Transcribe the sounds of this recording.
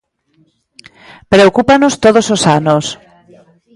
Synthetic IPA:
pɾeokupanost̪oð̞ososanos

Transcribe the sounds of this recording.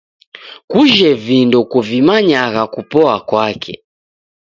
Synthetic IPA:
kuʒɛvindɔkuvimaɲaɣakupɔakwakʰɛ̰

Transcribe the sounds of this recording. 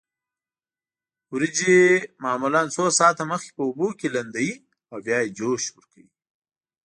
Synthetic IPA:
wɾɪd͡ʒemɑːmulɑnsosɑːt̪aməxkʲe̥pəubokeland̪awi | awvjɑːjed͡ʒoʃwəɾkawi

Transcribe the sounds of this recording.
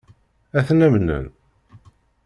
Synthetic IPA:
æθnæmnə̰n

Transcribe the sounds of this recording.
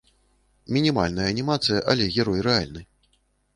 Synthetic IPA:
mʲinʲimalʲnɐjɐːnʲimat̪sɨjɐʔalʲɛɣʲɛɾɔjrɛa̰lʲnɨ

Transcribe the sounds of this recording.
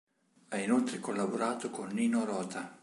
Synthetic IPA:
ainolt̪ɾekolːaboɾaːt̪okonːiːnoɾɔːt̪ʰa

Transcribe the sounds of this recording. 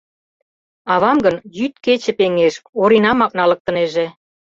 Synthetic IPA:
ɑβɑmɡə̆njyt̪̚ket͡ɕĕpeŋeʃoɾinɑmɑk̚nɑlɤ̆k̚t̪ə̆neʒĕ

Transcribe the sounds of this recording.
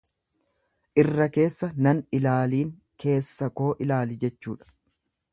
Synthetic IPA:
ʔɪrːɐke̞ːsːɐnɐnɪlaːliːŋ | kʰe̞ːsːɐko̞ːʔɪlaːlɪd͡ʒɛt͡ʃːṵːᶑɐ̥

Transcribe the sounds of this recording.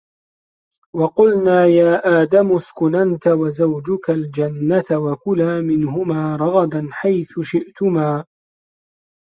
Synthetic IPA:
wɑqʊlnaːjaːʔaːd̪amʊskʊnant̪awazawd͡ʒʊkald͡ʒanːat̪awakʊlaːmɪnɦʊmaːɾˤɑɣɑd̪anħajθʊʃɪʔt̪ʊmaː

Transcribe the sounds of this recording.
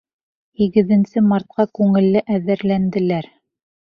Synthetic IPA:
hiɡɘ̆ðɘ̆nsɘmɑɾt̪̚qɑkʉŋɘ̆lːɘʔæðɘɾlænd̪ɘ̆læɾ

